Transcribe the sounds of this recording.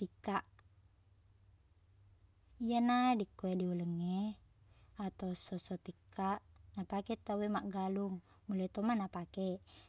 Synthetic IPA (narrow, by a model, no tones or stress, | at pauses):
t̪ikːaʔ | ijanadikːoediuləŋːe | at̪ausosot̪ikːaʔnapaket̪awemaʔɡaluŋ | mulait̪omanapake